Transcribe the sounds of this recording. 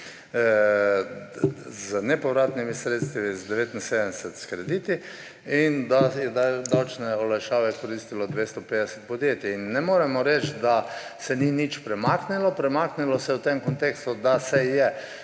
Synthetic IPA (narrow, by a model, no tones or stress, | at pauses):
znɛpɔʋɾaːt̪nimisɾeːt̪st̪ʋizd̪ɛʋeːt̪insed̪əmd̪ɛsɛt̪skɾɛd̪iːt̪i | ind̪ajɛd̪d̪awt͡ʃnɛɔlajʃaːʋɛkɔɾist̪ilɔd̪ʋest̪ɔpeːd̪ɛsɛt̪̚pɔd̪jeːt̪jɛinːɛmoːɾɛmɔɾɛt͡ʃ̪d̪asɛninit͡ʃpɾɛmaːknilɔpɾɛmaknilɔsɛwt̪emkɔnt̪eːkst̪ud̪asɛjɛ